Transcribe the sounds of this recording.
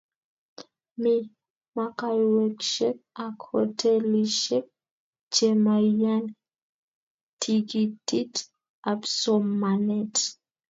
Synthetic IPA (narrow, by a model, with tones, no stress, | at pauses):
mi˦ | ma˦ka˦˨jwɛ˨kʃɛ˦k̚a˨kʰɔ˨tʰɛ˦li˨ʃɛ˦k̚ | t͡ʃe˦maja˦n | tʰi˨ɡi˨ti˦t | a˨bso˦mːa˨nɛ˨t